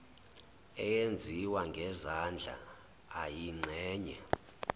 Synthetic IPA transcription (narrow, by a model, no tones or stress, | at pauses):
ɛjend͡zʱiwaŋɡʱɛzand͡ɮʱa̰ː | jiŋ͡ǀʱɛːɲɛ